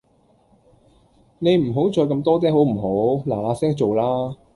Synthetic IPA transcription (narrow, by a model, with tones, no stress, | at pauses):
ne˨˧jm̩˨˩ɦo˨˥wt͡sɔː˧jkɐ˧mt̪ɔː˥t̪ɛː˥ɦo˨˥wm̩˨˩ɦo˨˥wlaː˨˩aː˨˧sɛː˥ŋt͡so˨wlaː˥